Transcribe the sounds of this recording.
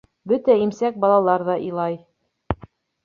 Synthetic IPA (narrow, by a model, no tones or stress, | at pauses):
bɵt̪æimsæk̚bɑlˠɑlˠɑɾðɑʔilˠɑj